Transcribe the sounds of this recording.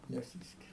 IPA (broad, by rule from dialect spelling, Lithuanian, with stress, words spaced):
nʲɛˈsʲiːsʲkʲɪrʲɛ